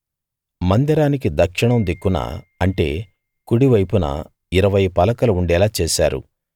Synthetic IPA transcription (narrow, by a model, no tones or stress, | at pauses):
mɐnd̪ɐɾaːnikid̪ɐkʂiɳɐmd̪ikːuna̰ːɐɳʈe̞̰ː | kuɽiʋɐjpunɐ̰ | iɾɐʋɐjpɐlɐkɐlɐuɳɖɛːlaːt͡ʃɛːʃa̰ːɾṵ